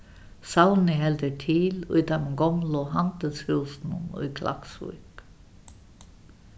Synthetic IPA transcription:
sawnəhɛld̪əʈʰiːlʉ̰ːt̪ameɡɔmlɔɦɑnt̪əshʉːsnunṵkʰlʔa̰ksṵk

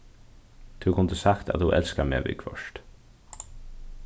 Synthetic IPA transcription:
t̪ʰʉkʰʊnd̪əsakt̪ʰa̰t̪ːuʔɛlskamḛːʋḭkʰʋœʃt̪

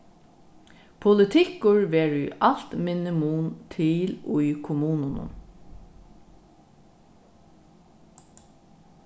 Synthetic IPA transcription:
pʰʊlɪt̪ʰɪkʊɹʋeːɹʏʔɑl̥t̪mɪnɪmuːnt̪ʰɪlʊʏkʰʊmuːnənə̰

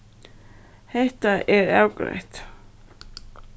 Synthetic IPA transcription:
hɛht̪aʔɛɾɛwkɾɛ̰ht̪

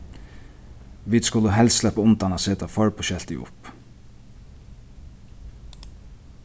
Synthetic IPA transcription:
ʋiːd̪skʊlːəɦɛlsslɛpəʊnt̪anaseːt̪afɔɹpʰɔʃɛl̥t̪ɪ̰ʔʊ̰p

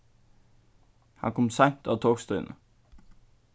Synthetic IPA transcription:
hɑ̰ŋkʰɔmsɑŋt̪ɑːt̪ʰoːɡ̥st̪œnʔə

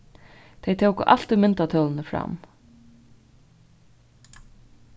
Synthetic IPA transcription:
t̪ʰejt̪ʰowkə̰ʔalt̪ɪmɪnt̪at̪ʰœːlnəfɾa̰m

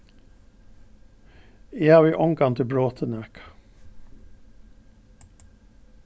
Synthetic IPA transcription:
jeɑːʋiːʔɔŋɡɑŋt̪ʰɪbɹoːt̪ʰənøːk

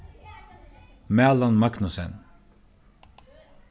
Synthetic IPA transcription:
mɛːlɑnmɑknʊsɛn

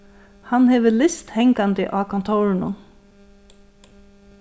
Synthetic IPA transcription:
hanhɛːʋəlɪst̪hɛŋkand̪ɪʔaːkʰɔnt̪ʰɔːɾɪnʊ̰n

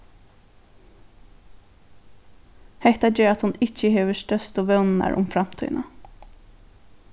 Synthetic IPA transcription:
hɛht̪ɑdøːɾɑt̪hʊnɪçəheːʋəʃtœst̪oːʋœnnæ̰ɾʔʊ̰mfɾɑmt̪ʰy̰ːnə

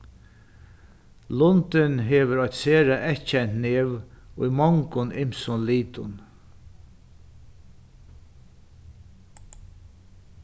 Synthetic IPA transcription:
lʊnt̪ɪnɦeːʋəɾɔjt̪seːɾaʔɛht͡ʃajnneːʋʊjmɔŋkʊnʔɪmsʊnliːt̪ʊn

